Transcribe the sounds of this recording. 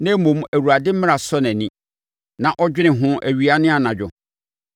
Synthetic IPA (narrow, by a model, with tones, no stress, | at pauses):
nɛ̃˦mõ˨m˦æ˨wu˨ɾa˨dɪ˦m̩˦mɪ̃˦a˨sɔ˦nɛ̃˨nĩ˦ | nã˨ʔɔ˦d͡ʑᶣɪ˦nɪ̃˨ɦʊ̃˦ʔæ˨ɥi˦a˦nɪ̃˦a˨nã˨d͡ʑᶣʊ˨